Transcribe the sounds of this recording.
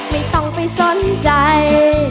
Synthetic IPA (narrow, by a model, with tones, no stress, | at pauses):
ma˥˩jt̪ɔ˧˩ŋpa˧˩jso˧˦nt͡ɕa˧j